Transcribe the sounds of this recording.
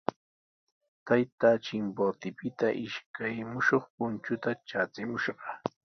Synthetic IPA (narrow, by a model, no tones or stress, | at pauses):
t̪ajt̪at͡ʃɪmpot̪ɪpɪt̪aʔɪʃkʰajmʊʃoχpʊnt͡ʃʊt̪at͡ʃat͡sɪmʊʃɢɑ